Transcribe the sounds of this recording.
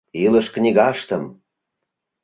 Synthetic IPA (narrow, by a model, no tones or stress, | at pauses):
iləʃknʲiɣɑʃt̪əm